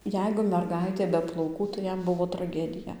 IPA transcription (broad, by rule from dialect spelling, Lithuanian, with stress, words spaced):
ˈjɛɪɡʊ mʲɛrˈɡɐɪtʲeː bʲɛ plˠɐʊˈkuː tɐɪ ˈjɛm ˈbʊʋoː trɐˈɡʲæːdʲɪjɛ